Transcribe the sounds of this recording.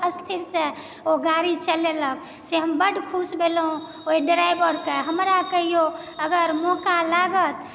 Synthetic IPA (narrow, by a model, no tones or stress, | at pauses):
əst̪ʰiɾsẽ | oɡaɾit͡ʃəlelək | seɦəmbəɖkʰusbelɦũ | oiɖɾajbəɾkeɦəmɾakəɦijo | əɡəɾmɔkalaɡət̪